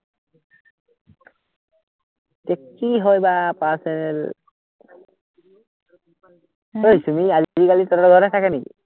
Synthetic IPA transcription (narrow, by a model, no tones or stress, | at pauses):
tekːiɦɔjbapasɛnɛl | ojtumiazzikalitɔɾɡʱɔɾɛtʰakɛnekḭ